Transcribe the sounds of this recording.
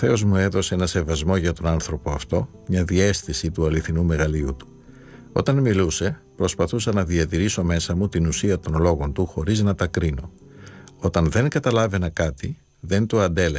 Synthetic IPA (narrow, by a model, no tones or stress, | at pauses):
θe̞o̞zmue̞ðo̞seenɐse̞vɐzmo̞ʝɐt̪o̞nɐnθɾo̞po̞ɐft̪o̞mɲɐðie̞sθisit̪uɐliθinume̞ɣɐliṵt̪u̥ | o̞̰t̪ɐnmiluse̞ | pɾo̞spɐθusɐnɐðiɐt̪iɾiso̞me̞sɐmut̪inusiɐt̪o̞nlo̞ɣo̞nt̪uxo̞ɾiznɐt̪ɐkɾino̞ | o̞t̪ɐnðe̞ŋkɐt̪ɐlɐve̞nɐkɐt̪i | ðe̞nt̪oɐnd̪e̞le